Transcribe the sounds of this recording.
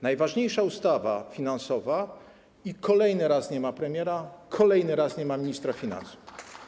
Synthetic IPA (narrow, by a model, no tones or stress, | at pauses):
najvaʐɲejʂaust̪avafʲinansɔva | ikʰɔlɛjnɘɾasɲɛmapɾɛmʲjɛɾakʰɔlɛjnɘɾasɲɛmamʲiɲist̪ɾafʲina̰nsu̥f